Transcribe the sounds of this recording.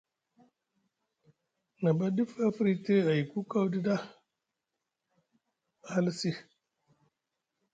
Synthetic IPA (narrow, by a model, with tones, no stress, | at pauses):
na˨ba˦di˦fa˦fɾi˦te˦a˨ji˨ku˦ka˦wdi˦da˦˨ | a˦lsi˦